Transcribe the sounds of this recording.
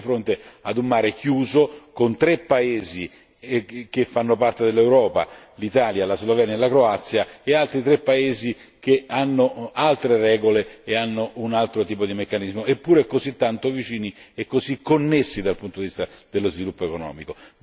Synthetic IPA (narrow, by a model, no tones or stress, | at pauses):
fɾont̪ead̪ummːaːɾek̟juːzokont̪ɾepːaeːzi | k̟efːanːopart̪ed̪elːewɾɔːpa̰ | lit̪aːljalazlovɛnjaelakɾoat̪sːjaealt̪ɾit̪ɾepːaeːzi | keanːoalt̪ɾerɛːɡoleːanːoʔunalt̪ɾot̪iːpod̪imekːanizmoepːuːɾekozit̪ːant̪ovit͡ʃiːniekːozikːonːesːid̪alpunt̪od̪ivist̪ad̪̥elːozvilupːoekonɔ̰ːmiko